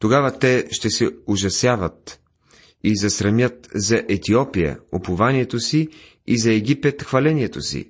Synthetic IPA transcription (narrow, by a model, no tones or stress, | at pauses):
t̪oɡavɐt̪ɛʃt̪ɛsɛʊʒɐsjavət̪ | izɐsɾɐmjət̪zɐʔɛt̪iɔpijə̰opʊvaniɛt̪osi | izɐɛɡʲipɛt̪xvɐlɛniɛt̪osḭ